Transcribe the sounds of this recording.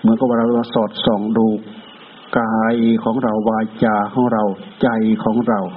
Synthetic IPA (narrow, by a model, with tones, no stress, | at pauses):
mɯ˨˦nkɔ˧˩waː˧ɾa˧˩˧aː˧sɔː˨˩t̪̚sɔː˨˩ŋduː˧˩kː | aː˧jkʰɔː˨˦ŋɾa˧˩wːaː˧t͡ɕaː˧˩ha˧˩wɾa˧wt͡ɕa˧jkʰɔː˨˦ŋɾa˧˩w